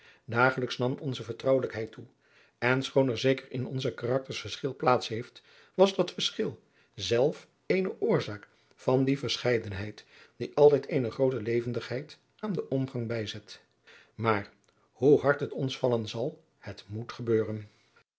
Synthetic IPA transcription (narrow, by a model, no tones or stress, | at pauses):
daːχələksnɑmɔnzəvəɹtrʌwələkɦɛjtu | ɛnsχownɛɹzejkəɹɪ̰nɔ̰nzəkarɑk̚təɹsfəɹsχɪlˠplaːtsɦejft | ʋɑzdɑtfəɹsχɪlˠ | zɛlˠf | ejnəʔʊːɹzaːk | fɑndivəɹsχɛjdənɦɛjt | d̥iʔɑlˠtɛjtejnəχrowtəlejvəndəχɦɛjt | ʔaːndəʔɔmχɑŋbɛjzɛt | maːɹ | huɦɑɹtɦətɔnsfɑlənzɑlˠ | hətmutχəbøːrən